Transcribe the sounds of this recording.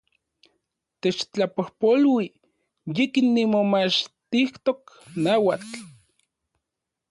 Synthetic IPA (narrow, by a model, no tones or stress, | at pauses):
t̪et͡ʃt͡ɬapohpolwi | jikinːimomat͡ʃt̪iht̪ok | nawat͡ɬ